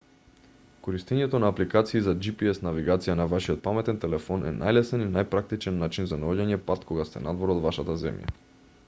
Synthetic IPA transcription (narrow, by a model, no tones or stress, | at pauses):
koɾist̪ɛɲɛt̪onaːplikat̪siːzad͡ʒipiɛsnaviɡat̪sijanavaʃiɔt̪̚pamɛt̪ɛnt̪ɛlɛfɔnʔɛ̰nʔa̰jlɛsɛninajpɾak̚t̪it͡ʃɛnːat͡ʃinzanoɟaɲɛpat̪kʰoɡast̪ɛ̰nad̪vɔɾod̪vaʃat̪azɛ̰mja̰